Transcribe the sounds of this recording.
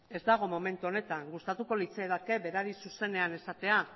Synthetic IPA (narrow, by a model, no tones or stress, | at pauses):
e̞zd̪aɣ̞o̞mo̞me̞nt̪uo̞ne̞t̪aŋɡust̪at̪uko̞lit͡seðake̞be̞ɾaɾisuse̞ne̞ane̞sat̪e̞a